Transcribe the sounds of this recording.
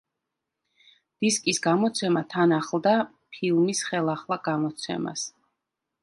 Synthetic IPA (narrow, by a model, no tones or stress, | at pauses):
d̪̥iskʼisɡamɔt̪sʰɛmat̪ʰanaχlˠd̪a | pʰilˠmisχɛlˠaχlˠaɡ̥amɔt̪sʰɛ̰ma̰s